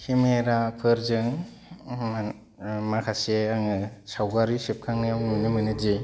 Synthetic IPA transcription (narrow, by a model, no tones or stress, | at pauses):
kʰimeɾapʰɯɾzɯŋ | makʰaseaŋɯsawɡaɾisep̚kʰaŋnɯjamnunɯmɯnɯd͡ʒi